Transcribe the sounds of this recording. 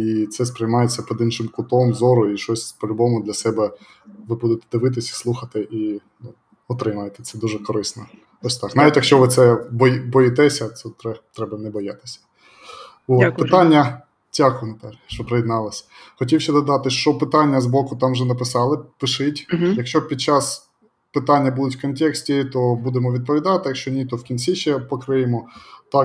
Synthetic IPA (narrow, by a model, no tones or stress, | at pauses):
it̪sɛspɾɪjmɑjet͡sʲːɐpɔd̪inʃɪmkʊt̪ɔmzɔɾʊiʃɔsʲpɔlʲʊbɔmʊd̪lʲɐsɛbɛ | ʋɪbud̪et̪ɛ̥d̪ɪʋɪt̪ɪsʲi̥slˠuxɐt̪ɪʔi | ɔt̪ɾɪmɐjet̪ɛ̥t̪sɛd̪uʒɛkɔɾɪsnɔ | t̪ɔsʲt̪ɑknɑʋʲitʲjɐkʃʲt͡ʃɔʋɪt̪sɛbɔjbɔjit̪ɛsʲɐt̪sɛt̪ɾɛt̪ɾɛbɐnɛbɔjat̪ɪ̥sʲɐ̥ | ʋot̪pɪt̪ɑnʲːɐ | tʲakʊnɐt̪ɛlʲʃt͡ʃɔpɾɐjɪd̪nɑlˠɐsʲ | xɔtʲiwʃɐd̪ɔd̪ɑt̪ɪʃt͡ʃɔpɪt̪ɑnʲːɐzbɔkʊt̪ɑmʒɛnɐpɪsɑlˠɪpɪʃɪtʲjɐkʃt͡ʃɔpʲid̪̚t͡ʃɑs | pɪt̪ɑnʲːɐbud̪ʊtʲwkɔntʲɛksʲtʲit̪ɔbud̪emɔʋʲid̪̚pɔʋʲid̪ɑt̪ɪjɐkʃt͡ʃɔnʲit̪ɔwkʲint͡sʲiʃɛpɔkɾɪjɪmɔt̪ɑk